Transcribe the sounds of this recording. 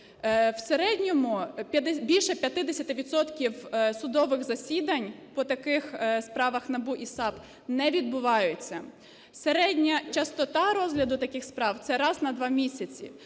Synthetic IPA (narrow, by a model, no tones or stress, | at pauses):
wseɾɛdʲnʲɔmʊbʲilʲʃɛpʲjɐt̪ɪd̪esʲɐt̪ɪʋʲid̪sɔt̪kʲiwsʊd̪ɔʋɪɣzɐsʲid̪ɐnʲpɔt̪ɐkɪxspɾɑʋɐxnɐbuʔisɑp | nɛʋʲid̪̚bʊʋɑjʊt͡sʲːɐ | seɾɛdʲnʲɐt͡ʃɐst̪ɔt̪ɑɾɔzɦlʲɐd̪ʊt̪ɐkɪxspɾɑwt̪sɛɾɑznɐd̪ʋɑmʲisʲɐt͡sʲḭ